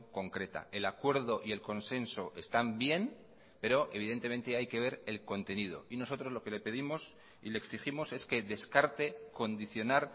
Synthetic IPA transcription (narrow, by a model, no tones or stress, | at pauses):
ko̞ŋkɾe̞t̪a̰elakwe̞ɾð̞o̞ʔie̞lko̞nse̞nso̞ʔe̞st̪ambje̞n | pe̞ɾo̞ʔe̞β̞iðe̞nt̪e̞me̞nt̪e̞ajke̞β̞e̞ɾe̞lko̞nt̪e̞nið̞o̞̰ino̞so̞t̪ɾo̞zlo̞ke̞le̞pe̞ðimo̞s | ḭle̞ːksiximo̞se̞ske̞ðe̞skaɾt̪eko̞nd̪iθjo̞naɾ